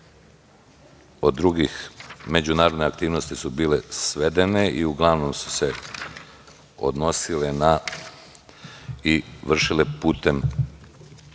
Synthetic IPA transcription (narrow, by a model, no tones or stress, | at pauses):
o̞d̪ːɾuɡixme̞d͡ʑunaːɾo̞d̪neakt̪iːʋno̞st̪isubiːle̞sʋe̞d̪e̞neʔiuɡlˠaʋnomsu̥se̞ | o̰d̪no̞silena | iʋr̩ʃilepuːt̪e̞m